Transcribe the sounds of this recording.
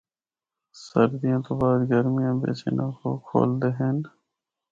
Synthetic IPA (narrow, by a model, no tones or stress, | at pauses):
səɾd̪ɪjãːt̪oːbaːd̪ɡəɾmɪjãːbḛːsḛːnãːko̰ːkʰo̰ːld̪eːɦeːn